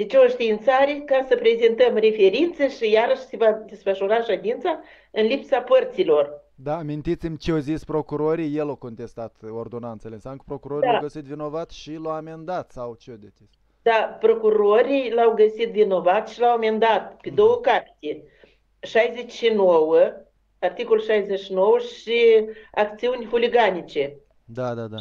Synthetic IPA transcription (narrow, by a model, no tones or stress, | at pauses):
d̪et͡ʃeoʃt̪iint̪saɾekasəpɾe̞zent̪əmre̞fe̞ɾint̪səʃijaɾəʃse̞vad̪esfəʃuɾaʃad̪ʲint̪sa | ɨnlipsapərt̪silo̞r | d̪aːmint̪it̪simʲt͡ʃeozispɾo̞kuɾoɾijjelawko̞nt̪est̪at̪ord̪o̞nant̪selʲensamkəpɾokuɾoɾid̪aɡəsit̪vino̞vat̪ʃilawamend̪at̪sawt͡ʃeod̪et͡ʃest̪ʲ | d̪apɾo̞kuɾoɾijlawɡəsit̪vino̞vat̪ʃilawame̞nd̪at̪ped̪o̞wəkapi̥t̪ʲe | ʃajze̞t͡ʃʲʃinowə | art̪ikoluʃajzet͡ʃʃino̞wəʃiakt̪siunʲfuliɡanit͡ʃe̞ | d̪ad̪ad̪a